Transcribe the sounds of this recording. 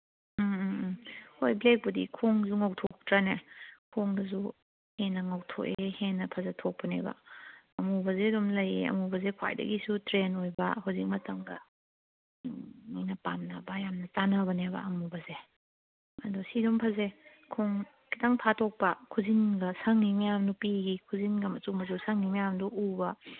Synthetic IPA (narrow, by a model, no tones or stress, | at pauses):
hojblek̚budikʰoŋzuŋawtʰɔk̚tɾanekʰoŋdɐzu | henɐŋɐwtʰo̰kehenːɐpʰɐzɐtʰok̚pɐnḛbɐ̰ | ɐmubɐzedɔmlɐjeɐ̰mubɐzekʰwa̰jdɐ̰ɡisutɾenojbɐ̰ɦuzik̚mɐtɐŋɡɐ̰ | ninɐpamnɐbɐjamnɐt͡ʃanɐβɐnebɐ̰ɐmubɐze | ɐ̰dɔsidɔmpʰɐze | kʰoŋ | kitaŋpʰatʰok̚pɐkʰuzinɡɐsɐŋːimɐjamdupiɡikʰuzinɡɐmɐt͡ʃuŋmɐzusɐŋimɐjamduubɐ